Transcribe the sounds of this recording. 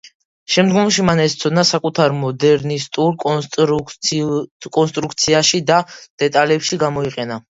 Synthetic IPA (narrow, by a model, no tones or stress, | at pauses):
ʃɛmd̪ɡɔmʃimanɛst̪sʰɔd̪nasakʼut̪ʰaɾmɔd̪ɛɾnist̪ʼuɾʼ | kʼɔnst̪ʼɾukʰt̪sʰiaʃid̪ad̪̥ɛt̪ʼalɛpʃiɡamɔiqʼɛna